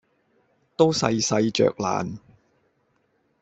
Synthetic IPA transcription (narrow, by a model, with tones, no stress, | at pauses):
t̪o˥wsɐ˧jsɐ˧jt͡ʃœ̰ː˨k̚la̰ː˨˩n